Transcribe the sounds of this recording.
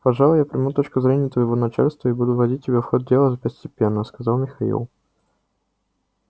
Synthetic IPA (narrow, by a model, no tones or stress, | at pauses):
pɐʐɑlˠʊjapɾʲɪmut̪ot͡ɕkʊzɾʲenʲɪjət̪vəjɪvonɐt͡ɕa̰lʲst̪vəɪbud̪ʊvɐdʲit̚ʲtʲːɪbʲafxot̪̚dʲelˠəzəpəsʲtʲɪpʲenːəskɐzɑlˠmʲɪxɐḭlˠ